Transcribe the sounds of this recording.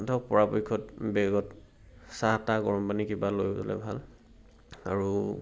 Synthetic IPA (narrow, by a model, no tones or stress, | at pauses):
tʰɔk̚pɔɹapojkʰɔtbɛɡɔt | sataɡɔɹɔmpanikibalojɔ̰lɛ̰bʱal | aɹu